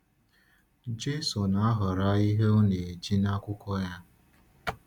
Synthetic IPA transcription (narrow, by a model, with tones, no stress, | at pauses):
d͡ʒe˦sɔ˨na˨a˦ɦɔ˨ɾa˦i˦ɦe˦o˦ne˨d͡ʒi˦na˦kʷʊ˦kɔ˦ja˦